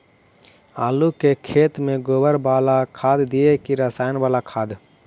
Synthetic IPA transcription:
aːlukekʰeːt̪mẽɡoːbəɾbaːlakʰaːd̪d̪iekiɾəsaːjnbaːlakʰaːd̪

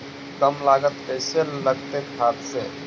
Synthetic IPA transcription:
kəmlaːɡət̪kəɪseləɡt̪ekʰaːt̪se

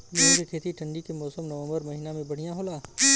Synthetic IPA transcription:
jɐɦsekʰeːt̪iʈʰɐ̃ɳɖikemɔːsəmnɐʋə̃mbəɾmɐɦinamẽbɐɽ̤ijãɦoːlaː

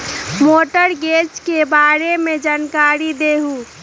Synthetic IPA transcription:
moːʈəɾɡeːt͡ʃkebaːɾemẽd͡ʒaːnkaːɾid̪eːɦuː

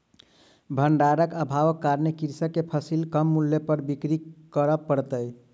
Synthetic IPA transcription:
bʱəɳɖaɾəkəbʱaʋəkːaɾnekiɾsəkːepʰəsilkəmːulːjepəɾbikɾikəɾəpəɽt̪əj

